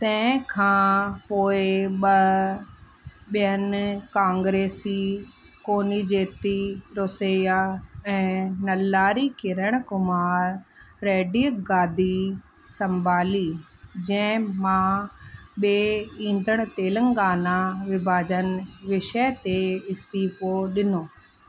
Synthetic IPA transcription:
t̪ɐ̃ɦɪ̃kʰãːpoːeɓɐ | ɓijənkãːŋɡɾeːsi | koːnid͡ʑeːt̪iɾoːsejaɛ̃ːnɐlːaːɾikɪɾəɽ̃ʊkʊmaːɾː | eːɖiːəɡaːd̪ʱi | sɐ̃mbʱaːliː | d͡ʑɐ̃ɦɪ̃mãː | ɓeːĩːn̆d̪ʱəɽ̃ʊ̆t̪eːləŋɡaːnaʋɪbʱaːd͡ʑənʋɪʃət̪eɪst̪iːpoɗɪnoː

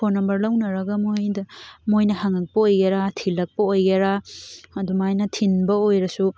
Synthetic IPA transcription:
pʰonɐmbɐɾlawnɐɾɐɡɐmojdɐmojnɐhaŋɐk̚pɐojɡeɾatʰilːɐk̚pɐojɡeɾaɐdumajnɐtʰinbɐojɾɐsu

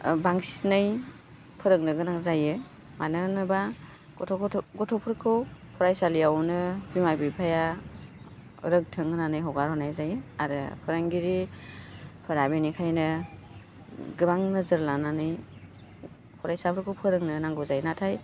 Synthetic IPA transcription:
baŋsi̥tnɯj | pʰɯɾɯŋnɯɡɯnaŋzajɯ | manɯnɯba | ɡɔtʰɔkɔɡɔtʰɔpʰɯɾkʰɯwpʰɔɾajsalijawnɯbimajbipʰaja | ɾɯk̚tʰɯŋɯnanɯjɦɔɡaɾɔnajzajɯa̰ɾɯ̰pʰɯɾɯŋɡiɾi | pʰɯɾabenikʰajnɯ | ɡɯbaŋnɯzɯɾlananɯj | pʰɔɾajsapʰɯɾkʰɯwpʰɯɾɯŋnɯnaŋɡɯzajnatʰaj

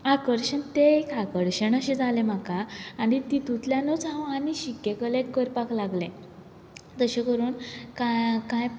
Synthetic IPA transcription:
akəɾɕəɳt̪eekakəɾɕəɳəɕẽd͡zalem̤akaːɽ̃it̪it̪ut̪ljanot͡sãwaniɕikːekəlekəɾpaklaɡlẽ | t̪əɕekəɾuːnkakãj

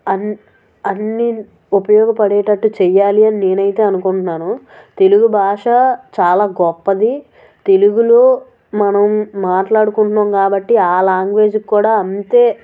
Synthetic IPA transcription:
ɐn | ɐnːi | upɐjɔːɡɐpɐɽɛːʈɐʈːut͡ʃɛjaːliɐnine̞ːnɐjit̪eːɐnukuɳʈunːaːnu | t̪e̞luɡubʱaːʂɐt͡ʃaːlaːɡɔpːɐd̪i | t̪e̞luɡuloː | mɐnɐmːaːʈlaːɽukuɳʈːɐmkaːbɐʈːiaːlaːŋɡʋe̞ːd͡ʒikkːuːɽaːɐnt̪e̞ː

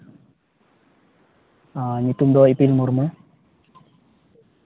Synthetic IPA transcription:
anit̪umd̪ɔipilmuɾmə

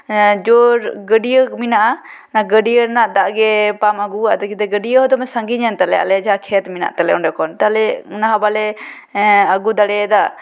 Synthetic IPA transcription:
d͡ʒɔɾɡəɖijəminaʔa | naɡəɖijəɾnaʔd̪aʔɡɛpaməɡuaʔd̪ɔkid̪ɛɡəɖijəɦɔd̪ɔmɛsəŋɡiɲant̪alɛa̰lɛd͡ʒakʰɛt̪mina̰ʔt̪alɛʔɔ̃ɳɖɛkʰɔnt̪alɛnaɦabalɛ | əɡud̪aɽɛd̪a

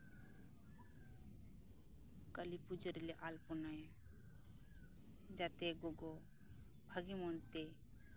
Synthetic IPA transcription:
kəlipud͡ʒəɾleʔalpɔnaj | d͡ʒat̪eɡoɡo | bʱəɡimont̪e

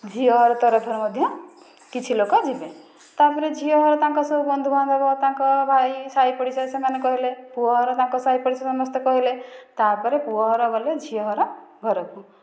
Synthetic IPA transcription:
d͡ʒʱiɔɦɔɾɔt̪ɔɾɔpʰɔɾɔmɔd̪ʱjɔ | kit͡ʃʰilokɔd͡ʒibe | t̪apɔɾed͡ʒʱiɔɦɔɾɔt̪ãŋkɔsɔbubɔnd̪ʱubʱãnd̪ɔbɔt̪ãŋkɔbʱajsaipɔɽisasamanekɔɦilepuɦɔɦɔɾɔt̪ãŋkɔsaipɔɽisɔsɔmɔst̪ɔkɔɦilet̪apɔɾepuɔɦɔɾɔbɔled͡ʒʱiɔɦɔɾɔɡʱɔɾɔkũ

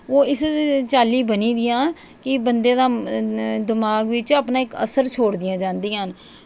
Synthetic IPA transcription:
oːɪst͡ʃaːliːbəniːd̪ɪjãː | kɪbənd̪ẽːd̪aː | d̪ɪmaːɡʋɪt͡ʃaːpnãːɪkə̰səɾt͡ʃʰoːɽd̪ɪjãːd͡ʒãːnd̪ĩːɦən

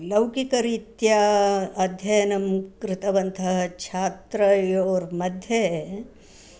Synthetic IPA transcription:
lɐwkikɐɾit̪jaːɐd̪ʱjɐjnɐmkɾɪt̪ɐʋɐnt̪ʰɐɦɐ̆t͡ʃʰaːt̪ɾɐjoːɾmɐd̪ʱjɐɦ

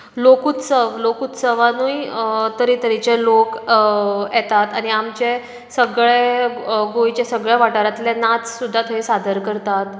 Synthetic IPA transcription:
lokut̪səʋlokut̪səʋanujt̪əɾit̪əɾit͡ɕelok | ɛt̪at̪añiamt͡ɕe | səɡɭeɡojt͡ɕesəɡɭeʋaʈaɾat̪ljanat͡ssud̪ʱːat̪ʰəisad̪ʱəɾkəɾt̪at̪

